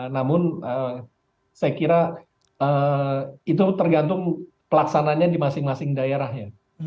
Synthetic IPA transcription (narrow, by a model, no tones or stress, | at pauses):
namʊnə | sajakiɾa | ə | it̪̬ut̪ərɡant̪ʊŋ | pəlaksanaɲadimasɪŋmasɪŋdajaɾahja